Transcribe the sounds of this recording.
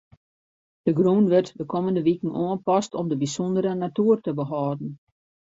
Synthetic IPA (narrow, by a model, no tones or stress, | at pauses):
d̥əɡrunʋərtdəkʰɔməndəʋikən̩oənpɔstɔmdəbisɔndəɾənatuːərtəbəɦɔːdn̩